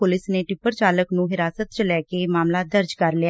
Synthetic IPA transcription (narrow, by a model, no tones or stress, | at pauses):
pʊlɪsneːʈɪpːəɾt͡ʃaːləknũːɦɪɾaːsət̪̚t͡ʃlɛːkeːmaːmlaːd̪əɾd͡ʒkəɾlɪja